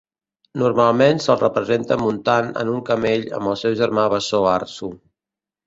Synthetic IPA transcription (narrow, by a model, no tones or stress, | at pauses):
nurmalˠmensəlˠrəpɾəzent̪əmunt̪anə̰nuŋkəmeʎə̰mbəlˠsɛwʒəɾmaβəsoarsu